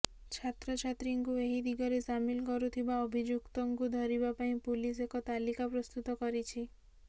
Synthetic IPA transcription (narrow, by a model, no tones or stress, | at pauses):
t͡ʃʰat̪ɾɔt͡ʃʰat̪ɾiŋkueɦid̪ʱiɡɔɾesamilkɔɾut̪ʰibaobʱid͡ʒukt̪ɔŋkud̪ʱɔɾibapaĩpulis̬ekɔt̪alikapɾɔst̪ut̪ɔkɔɾit͡ʃʰi